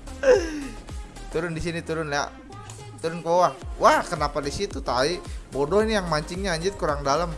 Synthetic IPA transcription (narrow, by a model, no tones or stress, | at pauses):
t̪uɾʊndisinit̪uɾʊnja̰ | t̪uɾʊnkəowaŋwahkənapadisit̪ut̪aibodɔhinijaŋmaɲt͡ʃiŋɲaːɲd͡ʒɪt̪̚kuɾaŋdaləm